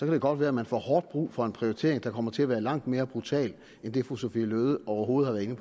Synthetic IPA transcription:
sɒkæd̥eɡ̥ɒ̽d̥ʋæːɐmænfɒ̰hɒːd̥̚b̥ʁṵːfɒ̽e̝npʰʁioit͡sʰe̝̰ɐeŋd̥ɑ̈kʰɒ̽m̰ɐt͡sʰe̝æʋæːɐlɑ̈ŋ̰d̥me̝ːɐb̥ʁut͡sʰɛ̰ːl | end̥e̝foosofḭløːð̞ˠəɒʊɐɦo̝ːð̩ˠhɑʋæɐe̝nəpʰ

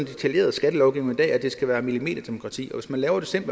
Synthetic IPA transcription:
nd̥e̝t͡sʰælje̝̰ːɐð̞̩ˠsɡ̥æd̥əlɒʊɡ̥iʊeŋid̥ɛ̰ːæd̥e̝sɡ̥æʋæːɐmilime̝̰ːd̥ɐd̥e̝mo̝kʰʁɑ̈t͡sʰḭːɒ̽ʋe̝smænlɛːʊɐd̥e̝se̝mb̥

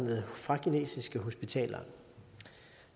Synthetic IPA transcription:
məð̩ˠfʁɑ̈kʰine̝̰ːsisɡ̥əɦo̝sb̥it͡sʰɛ̰ːlɐ

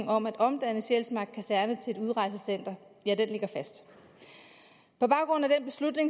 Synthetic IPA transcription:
ŋɒ̽mæd̥ɒ̽md̥ænəɕelsmɑ̈ɡ̥̚kʰæsæɐnət͡sʰe̝e̝duð̞ˠʁɑ̈ɪs̬əsen̰d̥ɐ | jæd̥enle̝ɡ̥ɐfæsd̥ | pʰɒ̽b̥ɑ̈ʊɡ̥ʁɔ̽n̰æd̥enb̥e̝slud̥ne̝ŋ

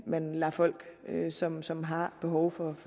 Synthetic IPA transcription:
mænlæfɒ̽l̰ɡ̥sɒ̽msɒ̽mɦɑ̈b̥e̝ɦɒʊfɒ̽f

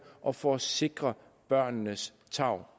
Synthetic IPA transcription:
ʔɒ̽fɒse̝ɡ̥ʁɐ | b̥ɶɐ̰nnəs | t͡sʰɑ̈ʊ̰

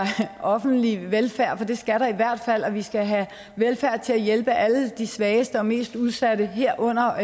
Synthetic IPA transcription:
ʔɒ̽fn̩d̥liʋelfæɐ̰fɒ̽d̥e̝sɡ̥æɾ̥ɑ̈iʋæɐ̰d̥fæl̰ɒ̽ʋisɡ̥æɦæ | ʋelfæɐ̰t͡sʰe̝læjelb̥əʔæləd̥isʋɛːɪsd̥əɒ̽me̝̰ːsd̥uð̞ˠsæɾ̥əɦeɐ̰ʔɔ̽n̰ɐ

